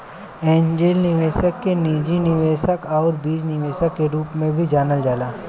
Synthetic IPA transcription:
ɛːnd͡ʒeːlnɪʋeːsəkːeniːd͡ʒinɪʋeːʃəkɔːɾbiːd͡ʒnɪʋeːʃəkːeɾuːpmẽbʱid͡ʒaːnəld͡ʒaːlaː

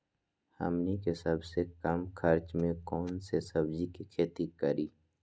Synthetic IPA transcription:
hɐ̰mnikesəbsekɐmkʰɐɾt͡ʃmẽkɔːnsesɐbd͡ʒikikʰeːt̪ikəɾiː

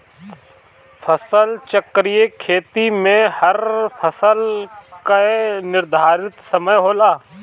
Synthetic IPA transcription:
fʰəsəlt͡ʃəkɾijekʰeːt̪imẽhɐɾpʰəsəlkaenɪɾd̪ʱaːɾɪt̪sɐməjɦoːlaː

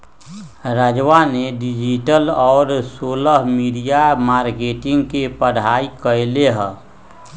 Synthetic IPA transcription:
ɾəd͡ʒʋaneɖid͡ʒiʈəlɔːɾsoːləɦmiɽijamaːɾkeːʈɪ̃ŋɡkepəɽ̤aːikəleɦə̃

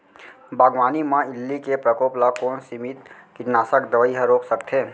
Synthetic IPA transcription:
baːɡʋaːnimãɪlːikepɾəkoːplakoːnsimit̪kɪʈnaːsəkd̪əʋəiɦəɾoːksəkt̪ʰɦeː

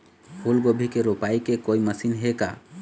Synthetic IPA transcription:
hʰulɡobʱikeɾopaikekoiməsinɦeka̰

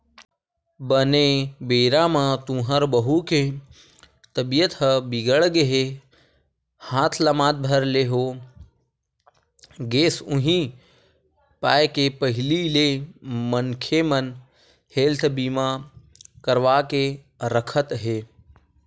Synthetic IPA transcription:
bənebeːɾamãt̪ũːɦəɾbəɦuke | t̪əbijət̪ɦəbiɡəɭɡeɦe | hãːt̪ʰləmãːd̪̚bʱəɾleɦoː | ɡeːsʊ̃ɦĩ | paːjkepəɦɪlilemənkʰemən | heːlt̪ʰbiːma | kəɾʋaːke | ɾəkʰət̪ɦeː

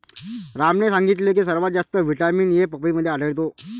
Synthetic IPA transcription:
ɾamnesãŋɡit̪̬lek̬iːsəɾʋat̪̚d͡zast̪əʋiʈamiːnjepəpiːməd̪ʱːjeaɖəɭt̪o

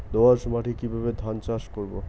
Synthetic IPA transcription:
d̪oaɾʃmaʈʰikibʱabed̪ʱant͡ɕaʃkoɾbo̰

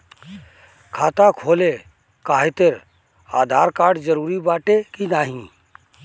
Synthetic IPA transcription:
kʰaːt̪akʰoːle | kaːɦet̪eɾ | a̰ːd̪ʱaːɾkaːɾɖd͡ʒəɾuːɾibaːʈekinaːɦĩ

